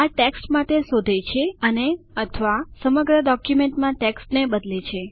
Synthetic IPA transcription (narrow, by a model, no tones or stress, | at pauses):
aʈeksʈmaʈesod̪ʱet͡ʃʰeəneət̪ʰəʋasəməɡɾəɖɔkjumeɳʈmãʈeksʈnebəd̪let͡ʃʰe